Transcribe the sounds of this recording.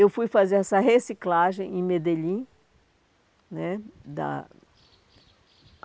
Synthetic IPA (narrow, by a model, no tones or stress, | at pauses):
ewfujfazeɾɛsɐɦesiklaʒẽj̃ẽmed̪elĩ | nɛd̪ɐ̰